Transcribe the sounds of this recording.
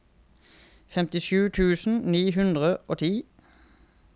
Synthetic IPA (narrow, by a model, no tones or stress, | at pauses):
fɛmt̪ɪʃʉːt̪ʰʉːsn̩niːɦʉnd̪ʁəʔoːt̪ʰiː